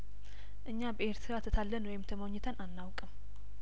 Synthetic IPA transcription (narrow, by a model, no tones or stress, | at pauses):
ʔɨɲːabəʔe̞ɾt̪ʰɨɾat̪ʰət̪ʰalːənwɔjɪmt̪ʰəmoɲːɪt̪ʰənʔanːawkʼɨm